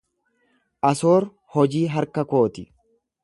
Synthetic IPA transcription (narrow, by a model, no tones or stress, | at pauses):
ʔɐsoːɾ | hɔd͡ʒiːɦɐɾkɐko̞ːt̪ɪ